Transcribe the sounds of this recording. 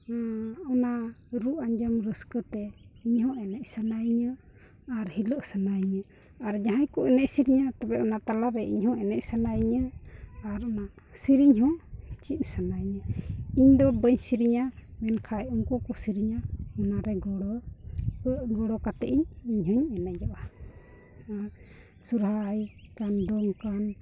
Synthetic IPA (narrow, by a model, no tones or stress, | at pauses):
ɔnaɾuʔaɲd͡ʒəmɾəskət̪ɛiɲhɔ̃ʔɛnɛc̚ˀsanaɲə | aɾhiləʔsanajɲə | aɾd͡ʒaɦajkuɛnɛc̚siɾiɲat̪abɛʔɔnat̪alaɾɛʔiɲhɔ̃ʔɛnɛʔc̚sanajɲəaɾɔna | siɾiɲɦɔ̃t͡ʃit̪̚sanaɲəiɲd̪ɔbəɲsiɾiɲamɛnkʰajɔŋkɔkɔsiɾiɲaɔnaɾɛɡɔɽɔ | ʔɡɔɽɔkat̪ɛʔiɲiɲhɔɲɛnɛʔd͡ʒɔʔa | aɾ | suɾɦajkand̪ɔŋkan